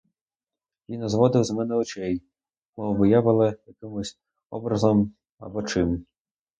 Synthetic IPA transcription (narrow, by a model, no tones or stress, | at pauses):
jʲinzʋɔd̪ɪwzmɛnɛɔt͡ʃɛj | mɔʋɨjaʋɪlˠɪjɐkɪmʊsʲ | ɔ̰bɾɐzɔm | ɐ̰bɔt͡ʃɪm